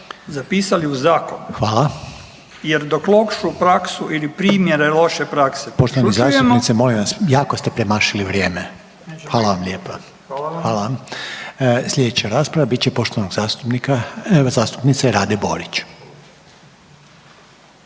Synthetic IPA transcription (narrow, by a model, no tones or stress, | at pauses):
zapiːsaliuzaːkonxʋaːlˠa | jeɾd̪oklokʃupɾaksuʔilipɾiːmjeɾelo̞ʃepɾaksepo̞ʃt̪oʋanizaːst̪upnit̪simo̞limʋasjaːkost̪epɾemaʃiliʋɾje̞ːme | xʋaːlˠaʋamlʎʲeːpa | xʋaːlaʋam | slʲʎʲe̞d̪et͡ɕaɾaːspɾaʋabit̪t͡ɕepo̞ʃt̪oʋanoɡzaːst̪upnikazaːst̪u̥pnit̪seɾaːd̪ebo̞̰ɾit͡ɕ